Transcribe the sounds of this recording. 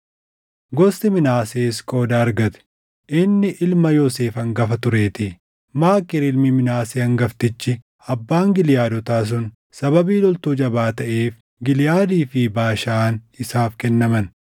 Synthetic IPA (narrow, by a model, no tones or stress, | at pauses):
ɡɔst̪ɪmɪnaːseːskʼo̞ːd̪aːɐɾɡɐt̪ɛ̥ | ʔɪnːɪʔɪlmɐjɔse̞ːfɐŋɡɐfɐt̪ʊɾe̞ːt̪ɪ | maːkːɪɾɪlmɪmɪnaːseːɐŋɡɐft̪ɪt͡ʃːɪ | ɐbːaːŋɡɪljaːd̪ɔt̪aːs̬ʊn | sɐbɐbiːlɔlt̪uːd͡ʒɐbaːt̪ɐʔe̞ːf | ɡɪlɪjaːd̪iːfɪbaːʃaːnɪsaːfkɛnːɐmɐn